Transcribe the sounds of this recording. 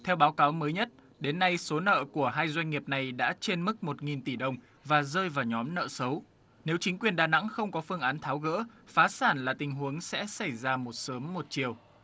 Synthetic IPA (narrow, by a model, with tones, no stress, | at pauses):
t̪ʰɛ˧wɓaː˨˦wkaː˨˦wməː˨˦jɲə˦˥t̚ | ɗe˨˦nːa˧jso˨˦nə̰ː˧˨ku˧˩əɦaː˧jzwa˧jŋ̟ŋi˨˩əp̚na˨˩jɗa̰ː˧˥t͡ɕe˧nmɨ˦˥k̚mo˨˩t̚ŋi˨˩nt̪i˧˩ɗə˧wŋ͡m | vaː˨˩zəː˧jvaː˨˩wɲɔ˨˦mnə̰ː˧˨sə˨˦w | ne˨˦wt͡ɕï˨˦ŋ̟kwi˨˩ənɗaː˨˩na̰˧˥ŋxə˧wŋ͡mkɔ˨˦fɨ˧əŋʔaː˨˦nt̪ʰaː˨˦wɣə̰ː˧˥faː˨˦saː˧˩nlaː˨˩t̪ï˨˩ŋ̟ɦu˨˦əŋsɛ̰˧˥sa˧˩jzaː˧mo˨˩t̚səː˨˦mːo˨˩t̚t͡ɕi˨˩əw